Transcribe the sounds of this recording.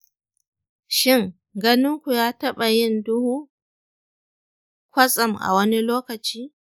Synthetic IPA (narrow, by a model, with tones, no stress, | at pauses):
ʃɪ˦ŋ | ɡɐ˦nɪ˦ŋkʷu˨jaː˦tɐ˦ɓa˨jɪ˦ndʊ˦huː˦ | kʷɐ˦sʼɐ˨mʔa̰˨wɐ˦ni˦loː˦kɐ˨t͡ʃiː˦